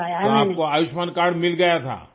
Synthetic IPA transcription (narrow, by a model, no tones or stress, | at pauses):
toaːp̚koaːjʊʃmankaːɾɽmɪlɡɐjat̪ʰa̰ː